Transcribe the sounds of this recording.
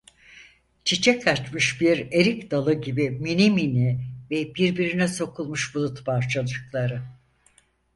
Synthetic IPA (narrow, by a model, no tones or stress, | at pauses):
t͡ʃʰit͡ʃʰɛkʰat͡ʃmɯʃbiɾe̞ɾicd̪alˠɯɟibiminiminivɛbiɾbiɾinɛso̞kʰulˠmuʃbulˠut̪baɾt͡ʃʰad̪ˠɯklˠaɾɯ